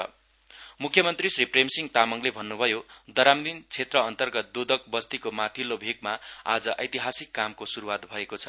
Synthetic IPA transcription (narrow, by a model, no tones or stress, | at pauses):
mukʰjʌmʌnt̪risripremsiŋt̪amʌŋlebʱʌnːubʱʌjod̪ʌɾamd̪int͡sʰet̪rʌʌnt̪ʌrɡʌt̪̚d̪od̪ʌk̚bʌst̪ikomat̪ʰilobʱeɡmaa̰d͡zʌʔʌjt̪iɦasikːamkosuɾuwat̪bʱʌekot͡sʰʌ